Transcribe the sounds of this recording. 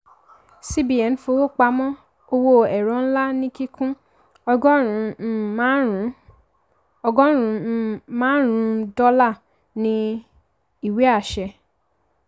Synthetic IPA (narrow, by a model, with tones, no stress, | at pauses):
si˦bi˨ɛ˨n̩˦fo˧˦wo˦˨k͡pa˧˦mɔ̃˦ | o˧wo˧ɛ˨ɾɔ̃˨˦n̩˦la˦nĩ˦ki˦kʰũ˦ | ɔ˧ɡɔ˦ɾũ˨˧˦ | ɔ˧ɡɔ̃˦ɾ̃ũ˧˦mãː˦ɾ̃ũ˨˦dɔ˦la˦˨ | nĩ˧ | i˦˨we˨˦a˦˨ʃɛ˧